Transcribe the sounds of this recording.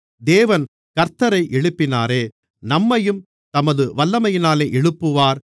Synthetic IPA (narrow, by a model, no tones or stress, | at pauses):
d̪eːʋɐn | kɐɾt̪ɐɾɐɪʔɛɻɯpːɪnaːɾeː | nɐmːɐjɯm | t̪ɐmɐðɯʋɐlːɐmɐjɪnaːleːʔɛɻɯpːɯʋaːɾ